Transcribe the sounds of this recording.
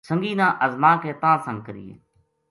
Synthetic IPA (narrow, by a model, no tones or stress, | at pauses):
sə̃ŋɡiːnãːʔəzmaːkeːt̪ãːsə̃ŋkəɾḭːḛː